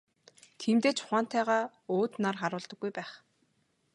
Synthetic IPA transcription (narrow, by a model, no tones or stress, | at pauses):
t̪ʰiːmt̪eːt͡ɕʰʊ̥χaːn̥t̪æːʁaː | oːt̪narχaɾʊːɮt̪ə̆ɡːujpæːχ